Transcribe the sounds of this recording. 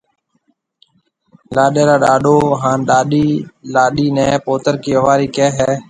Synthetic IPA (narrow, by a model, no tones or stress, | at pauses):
laːɗeːɾaːɗaːɗoːɦaːnɗaːɗiːlaːɗiːnɛ̃ːpoːt̪əɾkiːəʋaːɾiːkɛːɦɛː